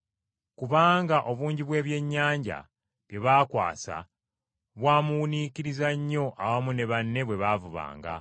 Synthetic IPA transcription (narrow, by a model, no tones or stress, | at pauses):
kuβaːŋɡaʔo̞βuːɲɟiβwe̞ːβje̞ɲːaːɲɟa̰ | βje̞βaːkwa̰ːsa̰ | βwaːmuuniciɾizaɲːo̞ʔawamune̞βanːe̞βwe̞βavuβa̰ːŋɡa̰